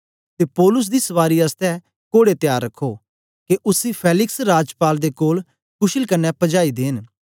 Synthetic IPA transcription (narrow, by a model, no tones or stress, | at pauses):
t̪eːpɔːlʊs̬d̪iːsɐʋaːɾiəst̪ɛ | koːɽet̪ɪjaːɾːɐkʰːo | keʔʊsipʰɛːlɪksɾaːd͡ʒpaːld̪ekoːl | kʊʃɪlkɐnːɛpɐd͡ʒaːid̪eːn